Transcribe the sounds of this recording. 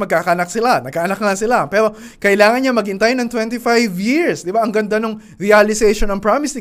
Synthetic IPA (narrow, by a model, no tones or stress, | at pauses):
mɐɡkakanɐk̚sɪlanɐɡ̚ʔaʔɐnɐk̚ŋasɪlapɛːɾo̞ | kɐʔɪlaːŋɐnɲɐmɐɡɪnt̪ajonɐŋt̪wɛnt̪ɪfajvjɪɹsd̪ɪbaʔɐŋɡɐnd̪anoŋ | ɾialɪsɛjʃonɐŋpɹamɪsɪ